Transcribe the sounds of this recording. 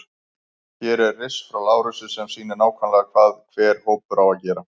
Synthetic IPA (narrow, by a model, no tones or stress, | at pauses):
çɛɾɛrːɪsfɾawlaːwɾʏsʏsɛmsiːnɪnaːwkʰanlaɣakʰvaːðkʰvɛːɾ̥hoːwpʏɾawaðcɛːɾa